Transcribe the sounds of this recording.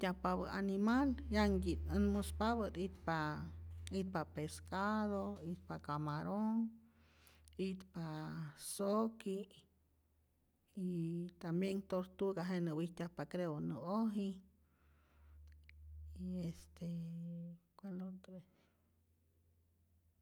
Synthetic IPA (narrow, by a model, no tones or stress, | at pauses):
t̪ʲjahpaβəanimaljaŋɡit̪ənmospaβət̪it̪pa | it̪̚papeskaðoit̪̚pakamaɾoŋ | it̪pasoki | it̪ambjeŋt̪oɾt̪uɡaɦenəwiht̪ʲahpakɾeonəoɦi | iest̪e | kwalont̪ɾe